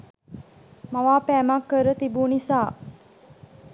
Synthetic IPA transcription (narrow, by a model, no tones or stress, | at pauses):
maʋaːpæːmakːəɾət̪ibunisaː